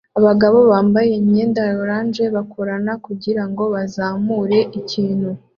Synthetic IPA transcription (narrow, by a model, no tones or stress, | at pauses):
aβaɡaβo̞βaːmbaje̞mɲe̞ːndaɾoɾaːnd͡ʒe̞βakʰoɾanakuɟiɾaŋɡo̞βazaːmuːɾe̞ʔiciːn̥hu